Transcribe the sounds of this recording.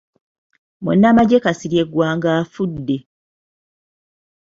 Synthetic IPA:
munːamaɟe̞kasiɾje̞ɡːwaːŋɡaːfudːe̞

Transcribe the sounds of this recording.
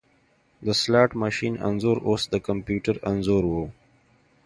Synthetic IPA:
d̪əslaːʈməʃĩːnə̰̃nzoːɾʔoːsd̪əkə̃mpjuːʈəɾɐ̃nzoːɾwo

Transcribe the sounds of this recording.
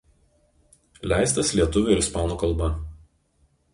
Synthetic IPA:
lʲæˑɪst̪ɐslʲiɛt̪ʊʋʲʊɪɾɪspɑːnoːkɐlˠˑbɐ

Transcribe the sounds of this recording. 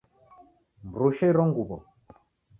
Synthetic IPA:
m̩ɾuʃɛiɾɔŋɡubɔ̰

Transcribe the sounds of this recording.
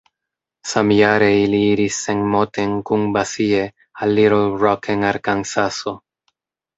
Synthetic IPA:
samjaɾeiliiɾisːenmo̞t̪e̞ŋkuŋbasie̞ | alːiɾoɾɔkʰeŋaɾkansaso

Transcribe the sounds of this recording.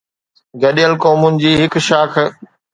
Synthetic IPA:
ɡɐɗijəlkoːmʊnɪ̆d͡ʑiːɦɪkʃaːkʰ

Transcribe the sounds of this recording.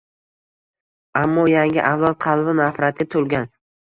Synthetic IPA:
amːɒjaŋɡʲɪʔawlˠɒt̪̚qʰɑlˠbɪmafɾat̪̚ɡʲat̪ʰolˠɡʲan

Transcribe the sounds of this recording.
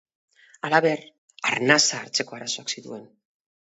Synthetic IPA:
alaβe̞r | aɾnasaːɾt͡se̞ko̞aɾaso̞aksit̪ue̞n

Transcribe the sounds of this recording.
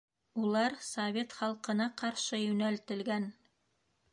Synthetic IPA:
ulˠɑɾsovʲe̞t̪χɑlˠqɤ̆nɑqɑɾʃɤjɵ̆nælt̪ɘ̆lɡæn

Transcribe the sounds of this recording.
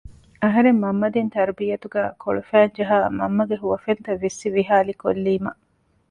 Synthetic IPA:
ɐɦɐɾemːɐmːɐd̪int̪ɐɾbijɐt̪uɡæːkʰo̰ɭufæːɲd͡ʒɐɦaːmɐmːɐɡeɦuʋɐfent̪ɐʋːisːiʋiɦaːliko̰lːiːmɐ̰

